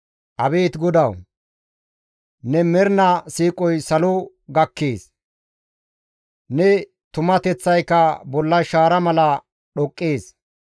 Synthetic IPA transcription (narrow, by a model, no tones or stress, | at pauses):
ʔɐbeːt̪ɡɔd̪ɐw | nɛmɛɾnɐsiːkʼɔjsɐlɔ | ɡɐkːeːs | nɛ | t̪ʊmɐt̪ɛt͡sːɐjkːɐbɔlːɐʃaːɾɐmɐlɐ | ɗɔkʼːeːs